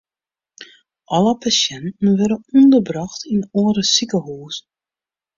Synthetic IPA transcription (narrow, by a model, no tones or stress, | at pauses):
ʔɔləpasɛntn̩ʋɛɾənɔndəbrɑxtʰinoːəɾəsikəɦuːs